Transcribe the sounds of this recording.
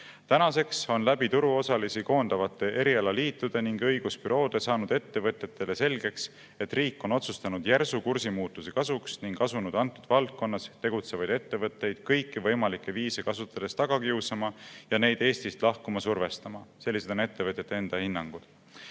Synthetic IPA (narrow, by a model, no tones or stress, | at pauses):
t̪ænɑse̞kso̞nlæbit̪uɾuo̞sɑlisiko̞ːnd̪̥ɑvɑt̪ːˑe̞ʔe̞ɾiɑlɑliːt̪ːˑud̪̥e̞niŋɡɤjɡ̥uspyɾo̞ːd̪̥e̞sɑːnud̪̥e̞t̪ːe̞vɤt̪ːˑe̞t̪ˑːe̞le̞se̞lʲɡe̞ks | e̞t̪ːriːkːˑo̞no̞t̪sust̪ɑnud̪̥jærsukursimuːt̪ːˑuse̞kɑsuksniŋɡ̥ɑsunud̪̥ɑnt̪ːˑud̪̥vɑlt̪̚ko̞nːɑst̪e̞ɡ̥ut̪se̞vɑjd̪̥et̪ːe̞vɤt̪ːˑe̞jd̪̥kɤjkːivɤjmɑlikːˑe̞viːse̞kɑsut̪ːˑɑd̪̥e̞st̪ɑɡ̥ɑkiusɑmɑjɑne̞jd̪̥e̞ːst̪ist̪lɑhkumɑsurve̞st̪ɑmɑse̞lːise̞d̪one̞t̪ːe̞vɤt̪jet̪ːˑee̞nd̪̥ɑhinːɑŋɡ̥ud̪̥